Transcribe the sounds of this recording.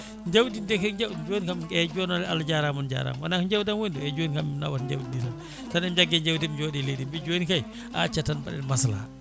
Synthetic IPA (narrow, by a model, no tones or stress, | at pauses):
ɲd͡ʒawdindekɲd͡ʒawd͡ʒonikamɛd͡ʒɔnɔlalad͡ʒaɾamund͡ʒa̰ɾa̰mwanakɲd͡ʒawdanwonduɛd͡ʒonikamimna̰watɲd͡ʒa̰wdidiɾan | tanɛmd͡ʒaɡɛɲd͡ʒawdimd͡ʒɔɗɛledimbid͡ʒoːnikaj | ʔa̰t͡ʃatanba̰ɗɛ̰nmasla̰